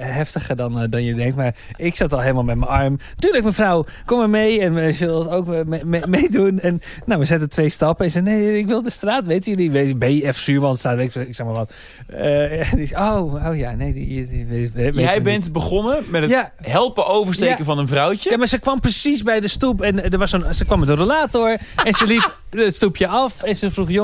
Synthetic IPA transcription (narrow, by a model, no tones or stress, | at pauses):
hɛftəxədɔndɔnjədɛŋk̚tmar | ɪksatɔlˠɦeɪləmalˠmɛtməɑrmtyːlək̚mənfraw | koməmejɛnəslˠdətowkmejdunɛnː | owməsɛtətʰʋejstɑpəɛnsɛjnejɪkʋɪlˠdəstraːtʋejtəjølˠiʋebɛjəɛfsyːmɔnˠdəstraːtʋetkɪksɛxmaʋɔt | ədisəowowja̰nejdiejɛjbɛntbəχonəmɛtəja | ɦɛlˠpəʔowvərstekəvɔnənvrawt͡ʃəjamaɹsəkʋɑmprəsis̬bɛjdəstupɛndəʋɑsonsəkʋɑmɛtdərəlaːtoɹɛnsəlipəstupʰjəɑfɛnsəfruxjo